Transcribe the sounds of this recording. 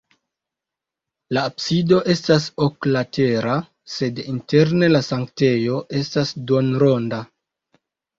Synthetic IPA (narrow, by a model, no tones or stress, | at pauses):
laːbsido̞ʔe̞stasoklate̞ɾa | se̞dinte̞ɾne̞lasaŋkte̞jo̞ʔe̞stasdonɾo̞nda